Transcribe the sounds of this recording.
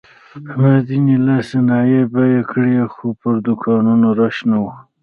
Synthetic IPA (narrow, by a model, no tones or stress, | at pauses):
mad̪inilasenɑjebajekɽiexopəɾd̪ʊkʰɑnunoɾaʃnawu